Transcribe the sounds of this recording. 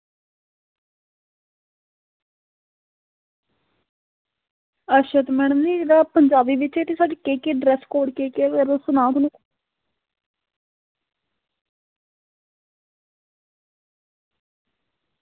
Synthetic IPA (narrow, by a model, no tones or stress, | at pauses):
əʃət̪mɛːɳ̃əmniɾaːpəɲd͡ʒaːbiːʋɪt͡ʃeːt̪esaːɖeːkeːkeːɖɾɛːskoːɽkeːkeːəɾsʊnãːt̪on